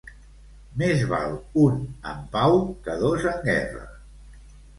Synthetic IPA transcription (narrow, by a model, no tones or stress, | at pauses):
mezβa̰lˠunə̰mpawkəðozəŋɡɛrə̰